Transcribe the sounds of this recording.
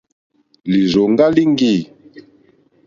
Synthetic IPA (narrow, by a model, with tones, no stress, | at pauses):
li˨zo˨ŋ˦ɡa˦li˦ŋ˦ɡi˦˨